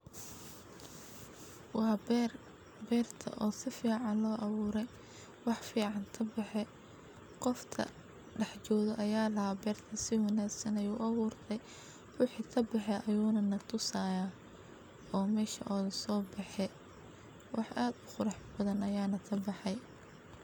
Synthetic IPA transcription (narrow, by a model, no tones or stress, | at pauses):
wɑː | bɛːrt̪ʰɐ̰ʔɔːsɪfiːʕɑnlɔːʔɐβuːɾɛj | wɑħfiːʕɑnt̪ʰɐbɑħɛ | qɔft̪ʰɐ̰ | ɖɑħt͡ʃɔːðɔʔɐjaːlɐɦhaːbɛːrt̪ʰɐsɪwɐnaːɡsɐnɐjuːʔɐβuːrt̪ʰɛj | wʊħiːt̪ʰɐbɑħɛʔɐjuːnɐnɐt̪ʰʊsaːja | ɔːmɛːʃɐ̰ʔɔːðɐsɔːbɑħɛ | wʔɑħʔaːd̪ʊχʊɾɑħbɐðɐnɐjaːnɐt̪ʰɐbɑħɛj